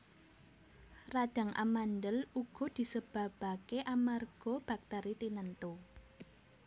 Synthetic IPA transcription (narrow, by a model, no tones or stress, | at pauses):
rad̥a̤ŋʔa̰mandəluɡ̥ɔ̤d̪̥i̤səb̥ä̤b̥a̤keʔamarɡ̥ɔ̤b̥ak̚t̪əɾit̪inənt̪u